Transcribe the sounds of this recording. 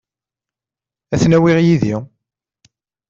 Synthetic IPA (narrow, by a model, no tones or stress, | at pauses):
æθnæwiʁjiði